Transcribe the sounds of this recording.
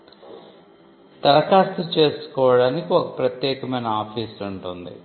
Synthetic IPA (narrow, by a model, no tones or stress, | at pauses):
t̪ɐlɐkaːɾt̪ɐt͡ʃe̞ːsu̥kɔːʋɐɽaːnikiɔkɐpɾɐt̪jɛːkɐmɐjnɐaːpʰiːsuɳʈund̪ḭ